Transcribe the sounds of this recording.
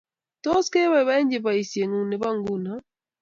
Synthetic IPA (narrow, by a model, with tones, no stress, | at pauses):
tɔ˦ske˦βa˦βa˦ɲd͡ʒe˨βa˨i˨sje˨ŋu˨ne˨βa˦ŋɡu˦na˨